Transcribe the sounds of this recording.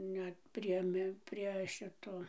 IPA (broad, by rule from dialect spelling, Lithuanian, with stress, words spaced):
ˈnʲɛt pʲrʲiɛ ˈmʲɪ pʲrʲiɛ ˈʃʲɪtoː